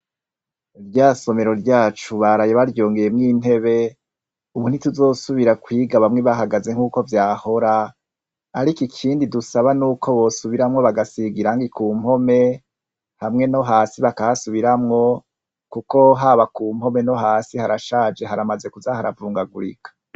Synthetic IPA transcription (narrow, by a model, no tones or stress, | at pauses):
iɾjaːso̞me̞ɾo̞ɾɟaːt͡ʃuβaɾajeβaɾɟo̞ːŋɡe̞jemŋiːn̥e̞βe̞ | uβun̥ituzo̞ːsuβiɾakwiːɡaβamŋe̞βaɦaɡaze̞ŋ̥uːko̞vjaːho̞ɾaː | ɾikikʰiːndidusaβanuːkʰo̞βo̞suβiɾamŋo̞βaɡasiɡiɾaŋɡikuːmho̞me̞ | hamŋe̞no̞ɦaːsiβakahasuβiɾamŋo̞ | kuko̞ɦaβakuːmho̞me̞no̞ɦaːsihaɾaʃaːd͡ʒe̞ɦaɾamaze̞kuzahaɾa̰vuːŋɡaɡuɾḭkʰḁ